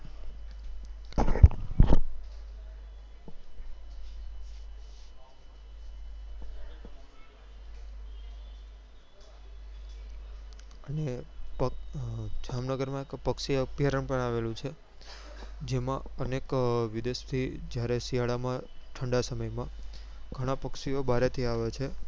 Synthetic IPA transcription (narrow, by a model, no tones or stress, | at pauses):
ənepə | d͡ʒamnəɡəɾmãekpəkʃiəpjaɾəɳpəɳ̃aʋelũt͡ʃʰe | d͡ʒemãənekʋɪd̪est̪ʰid͡ʒjaɾesiɦaɭamãʈʰəɳɖasəməjmãɡʱəɽ̃apəkʃiobʱaɾet̪ʰiaʋet͡ʃʰe